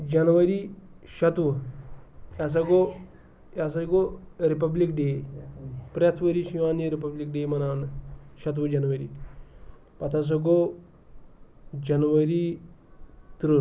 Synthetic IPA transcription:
d͡ʒɐnʋɐɾiʃɐt̪ʋɐ | jas̬ɐɡo | jas̬ɐɡoɾipɐblikɖeː | pɾjɐt̪ʰʋəɾiʃiʋaːnjəɾipɐblik̚ɖeːmɐnaːnʃɐt̪̬ʋɐd͡ʒɐnʋɐɾḭː | pɐt̪ʰas̬ɐɡo | d͡ʒɐnʋɐɾi | t̪ɾu

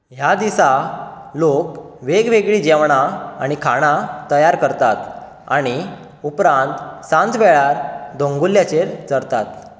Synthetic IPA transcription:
ɦjad̪isalok | ʋeɡʋeɡɭiːd͡ʑɛʋɳ̃aaɽ̃ikʰaɽ̃at̪əjaɾkəɾt̪at̪ | a̰ɽ̃i | upɾãnt̪sãnt͡sʋɛɭaɾd̪ʱõŋɡuljat͡ɕeɾt͡səɽt̪at̪

